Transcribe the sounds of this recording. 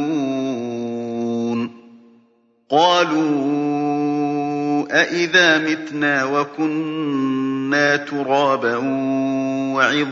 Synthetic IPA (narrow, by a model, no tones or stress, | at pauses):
uː | n | qɑːluː | ʔaʔɪðaːmɪt̪naːwakʊnː | aːt̪ʊɾˤɑːbaʔ | wʕɪð